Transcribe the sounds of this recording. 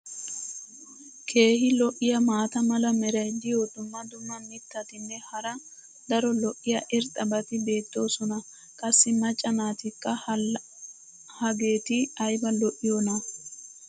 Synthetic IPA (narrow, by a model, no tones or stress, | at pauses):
kʰe̞ːɦɪlɔʔɪjɐmaːt̪ɐmɐlɐmɛɾɐjd̪ɪjod̪ʊmːɐd̪ʊmːɐnːɪt̪ːɐt̪ɪnːɛhɐɾɐ | d̪ɐɾɔlɔʔːɪjɐʔɪɾt̪ʼɐbɐt̪ɪbe̞ːt̪ːo̞ːsɔnɐ | kʼɐsːɪmɐt͡ʃʼːɐnaːt̪ɪkːɐ | hɐɡe̞ːt̪ɪɐjbɐlɔʔɪjoːnɐ